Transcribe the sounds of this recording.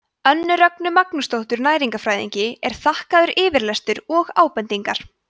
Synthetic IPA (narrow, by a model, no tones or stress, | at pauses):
œnːʏɾœknʏmaknʏst̪owht̪ʏɾnaːjɾiŋkafɾaːjðḭɲcɪɛɾ̥θahkaðʏɾʔɪːvɪɾlɛst̪ʏɾɔɣa̰ːwpɛnt̪iŋkaɾ̥